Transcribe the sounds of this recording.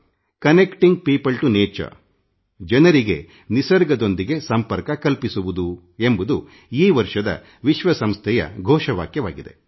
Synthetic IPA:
kɐnekʈiŋɡ̚piːpɐlʈuneːt͡ʃɐ̰ | d͡ʒɐnɐɾiɡe̞ | nisɐɾɡɐd̪o̞nd̪iɡe̞sɐmpɐɾkɐkɐlpisuʋud̪u | e̞mbud̪u | iːʋɐɾʂɐd̪ɐ̰ | ʋiʃʋɐsɐmst̪ʰɛjɐ̰ɡʱɔːʃɐʋa̰ːkjɐʋa̰ːɡid̪e̞̰

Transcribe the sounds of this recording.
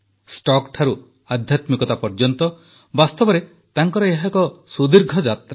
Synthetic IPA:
sʈɔkt̪ʰaɾu | ad̪ʱjat̪mikɔt̪apɔɾd͡ʒɔnt̪ɔ | bast̪ɔbɔɾe | t̪aŋkɔɾɔeɦakɔsud̪iɾɡʱɔd͡ʒat̪ɾa

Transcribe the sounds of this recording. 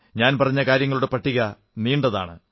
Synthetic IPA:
ɲaːnpɐrɐɲːɐkaːɾjɐŋːɐɭuɽe̞pɐʈːiɣɐ | niːɳɖɐða̰ːɳɨ

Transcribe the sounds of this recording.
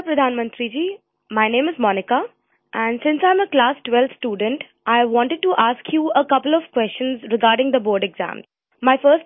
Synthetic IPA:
pɾəd̪ʱaːnmə̃nt̪ɾid͡ʒiː | maɪnẽːmɪzmɔːnɪka | ʔæ̃ɳɖsɪ̃nsãɪ̃məklaːsʈʋɛlt̪sʈjuːɖə̃ɳʈ | ʔaɪʋɔ̃ɳʈəɖ̚ʈuʔaːskʰjuəkʌpəlɔʋkwɛst͡ʃə̃nzɾɪɡaːɾɖɪ̃ŋd̪əbɔːɾɖɛɡzæ̰̃m | maɪfəːs

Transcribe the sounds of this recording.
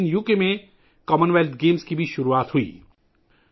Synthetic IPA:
njuːkemẽ | kɔːmənʋeːlt̪̚ʰɡeːmskibʱiʃʊɾuaːt̪ɦʊḭː

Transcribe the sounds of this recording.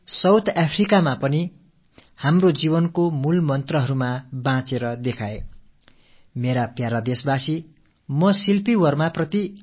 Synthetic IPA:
sʌwt̪ʰapʰrikamapʌni | hamrod͡zibʌnkomulmʌnt̪rʌɦʌɾumabãt͡seɾʌd̪ekʰae | meɾapjaɾad̪esbasi | mʌsilpiwʌrmaprʌt̪i

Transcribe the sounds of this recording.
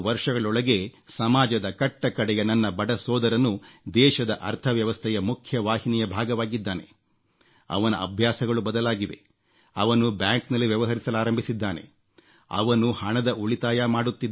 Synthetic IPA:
ʋɐɾʂɐɡɐɭɔɭɐɡe̞sɐmaːd͡ʒɐd̪ɐkɐʈːɐkɐɽɛjɐnɐnːɐbɐɽɐsɔːd̪ɐɾɐnːud̪ɛːʃɐd̪ɐʔɐ̰ɾt̪ʰɐʋjɐʋɐst̪ʰɛjɐmukʰjɐʋaːhinijɐbʱaːɡɐʋaːɡid̪ːaːne̞̰ | ɐ̰ʋɐnɐ̰ɐ̰bʱjaːsɐɡɐɭubɐd̪ɐlaːɡiʋe̞̰ | ɐʋɐnubjaːŋknɐlːiʋjɐʋɐɦɐɾisɐlaːɾɐmbʱisid̪ːaːne̞̰ | ɐ̰ʋɐnuhɐɳɐd̪ɐʔuɭit̪aːjaːmaːɽut̪ːid̪

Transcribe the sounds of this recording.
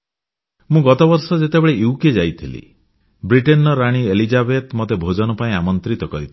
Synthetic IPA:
mũɡɔt̪ɔbɔɾsɔd͡ʒet̪ebeɭejuwked͡ʒajt̪ʰilḭ | bɾiʈenɔɾaɽ̃ielid͡ʒabet̪mɔt̪ebʱod͡ʒɔnɔpaĩamɔnt̪ɾit̪ɔkɔɾit̪ʰi

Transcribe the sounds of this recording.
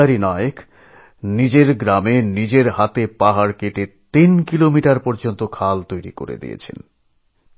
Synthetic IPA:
aɾinɔeek | nid͡ʑeɾɡɾamenid͡ʑeɾɦat̪epaɦaɾkeʈet̪inkilomiʈaɾpɔɾd͡ʑont̪okʰalt̪ojɾḭko̰ɾḛd̪ḭjḛt͡ɕʰḛn

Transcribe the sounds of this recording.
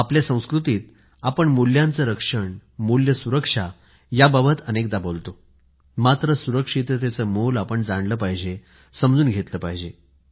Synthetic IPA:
apljasə̃w̃skɾut̪iːt̪̚ | apəɳmuljãnt͡səɾəkʂəɳmuljəsuɾəkʂa | jababət̪ənek̚d̪abolt̪o | mat̪ɾəsuɾəkʂit̪ət̪et͡səmolapəɳd͡zaɳləːpaɦid͡ʑe | səmd͡zuːnɡʱet̪ləːpaɦid͡ʑe

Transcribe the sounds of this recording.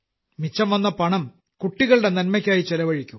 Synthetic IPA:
mit͡ɕːɐmʋɐnːɐpɐɳɐm | kuʈːiɣɐɭɨɽe̞nɐnmɐkʲːaːjit͡ɕelɐʋɐɻikʲːum

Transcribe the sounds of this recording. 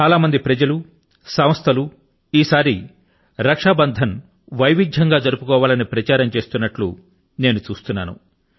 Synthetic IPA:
t͡ʃaːlaːmɐnd̪ipɾɐd͡ʒɐlu | sɐmst̪ʰɐlu | iːsaːɾi | ɾɐkʂaːbɐnd̪ʱɐn | ʋɐjʋid̪ʱjɐŋɡaːd͡ʒɐɾupukɔːʋaːlɐnipɾɐt͡ʃaːɾɐmt͡ʃe̞ːst̪unːɐʈlṵ | ne̞ːnut͡ʃuːst̪unːaːnṵ

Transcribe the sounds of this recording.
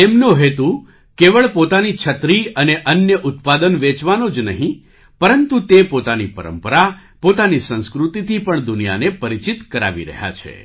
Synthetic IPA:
t̪emnõɦet̪u | keʋəɭpot̪anit͡ʃʰət̪ɾiəneʔənjəʔʊt̪pad̪ənʋet͡ʃʋanod͡ʒnəɦĩ | pəɾənt̪ut̪epot̪anipəɾə̰mpəɾapot̪anisə̃ñskɾut̪it̪ʰipəɳd̪ʊnija̰nepəɾit͡ʃit̪kəɾa̰ʋḭɾə̰ɦja̰t͡ʃʰḛ

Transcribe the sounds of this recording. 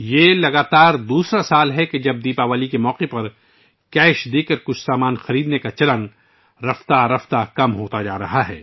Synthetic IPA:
jeːlɐɡaːt̪aːɾd̪uːsɾasaːlɦɛked͡ʒɐb̚d̪iːpaʋaːlikemɔːqepɐɾ | kɛːʃd̪eːkəɾkʊt͡ʃʰsaːmaːnxɐɾiːd̪nekat͡ʃɐlən | ɾɐft̪aɾɐft̪akɐmɦoːt̪ad͡ʒaːɾɐɦaɦɛ̰ː

